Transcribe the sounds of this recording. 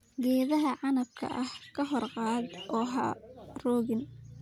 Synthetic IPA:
ɡɛːðɐɦɐʕɑnɐb̚kʰɐ̰ʔɐhkʰɐɦɔrqɑːd̪ʔɔːɦɐ̰rɔːɣɪn

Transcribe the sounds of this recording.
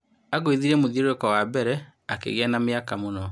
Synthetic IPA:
aɣoiðiɾɛmoðioɾekɔwabɛɾɛ | akḛɣɛnameakamonɔ

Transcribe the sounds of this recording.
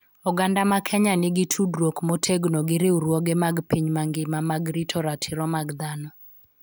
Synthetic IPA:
ɔɡandamakʰɛɲanɪɡɪtʰudɾwokmotʰeɡnoɡɪɾɪuɾwoɡemaɡpiɲmaŋɡɪmamaɡɾitʰɔɾatʰɪɾɔmaɡd̪anɔ

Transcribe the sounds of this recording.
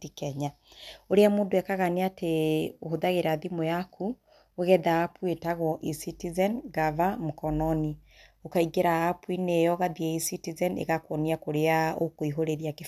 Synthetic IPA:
tikɛɲa | oɾeamoːndowɛkaɣaneateohoðaɣeɾaðimojakʰu | oɣɛðaːpuetaɣɔʔisitizɛnɡavamokɔnɔni | okaiɡeɾaːpwinejɔɣaðieisitizɛnḛɣakwɔniakoɾeaokoiɦoɾeɾiake

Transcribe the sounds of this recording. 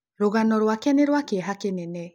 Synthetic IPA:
ɾoɣanɔɾwakɛneɾwakeɛɦakenenɛ

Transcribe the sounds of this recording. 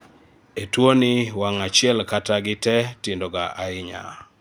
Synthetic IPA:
etwonɪwaŋat͡ʃɪɛlkataɡɪtɛtɪndoɡaʔaɪɲa̰

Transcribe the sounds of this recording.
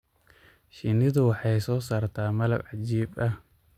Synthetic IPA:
ʃɪnɪðʊwɑħɑjsɔːsaːrt̪ʰaːmɐlɐ̰bʕɑt͡ʃiːbɐh

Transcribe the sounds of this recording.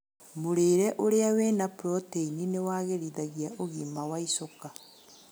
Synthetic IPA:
moɾeːɾɛʔoɾeaweːnapɾɔteininewaɣeɾiːðaɣiaʔoɣiːmawaisoka

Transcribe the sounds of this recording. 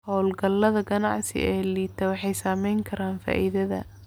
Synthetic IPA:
hɔwlɡɐlːɐðɐɡɐnɑʕsɪ̰ɛːliːt̪ʰɐwɑħɑjsaːmɛjŋkʰɐɾaːnfa̰ːʔiðɐðɐ̰

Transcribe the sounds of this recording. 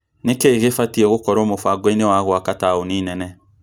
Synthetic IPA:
nekeːɣefatiɛɣokɔɾɔmofaɡweinewaɣwakataoninɛnɛ

